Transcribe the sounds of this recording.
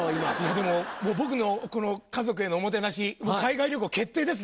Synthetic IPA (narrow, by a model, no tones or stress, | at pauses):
imaijad̪e̞mo̞moːbo̞k̬ɯ̟no̞ko̞no̞kazo̞k̬ɯ̟e̞noːmo̞t̪̬e̞naɕimoːkaiɡaiɾʲjo̞k̬ɯake̞t̪ːe̞ːd̪e̞sɨ